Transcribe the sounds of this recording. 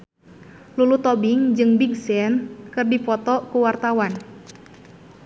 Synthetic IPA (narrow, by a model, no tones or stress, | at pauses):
lulut̪ɔbɪŋd͡ʒɨŋbiɡsɛnkɨrdipɔt̪ɔkuwart̪awan